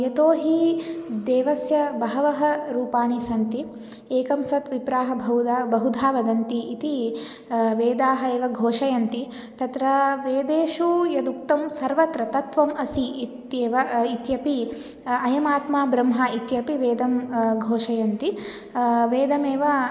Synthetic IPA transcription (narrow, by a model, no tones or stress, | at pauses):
jɐt̪oːɦid̪eːʋɐsjɐbɐɦɐʋɐɦɐɾuːpaːɳisɐnt̪i | eːkɐmsɐt̪ʋipɾaːɦɐbʱɐud̪aːbɐɦud̪ʱaːʋɐd̪ɐnt̪iːt̪i | ʋeːd̪aːɦɐeːʋɐɡʱoːʂɐjɐnt̪i | t̪ɐt̪ɾɐʋeːd̪eːʃuːjɐd̪uk̚t̪ɐmsɐɾʋɐt̪ɾɐt̪ɐt̪ʋɐmɐsiit̪jeːʋɐit̪jɐpi | ɐjɐmaːt̪maːbɾɐmɦɐit̪jɐpiʋeːd̪ɐmɡʱoːʂɐjɐnt̪i | ʋeːd̪ɐmeːʋɐ